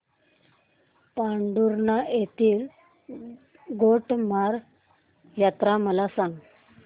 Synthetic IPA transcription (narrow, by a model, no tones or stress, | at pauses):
paɳɖuɾnajet̪iːl | ɡoʈmaɾ | jat̪ɾaməlasaŋɡ